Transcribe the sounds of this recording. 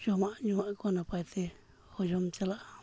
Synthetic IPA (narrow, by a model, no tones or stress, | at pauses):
jomãɲũãĩkonãpait̪i | ojomt͡ʃelaʔ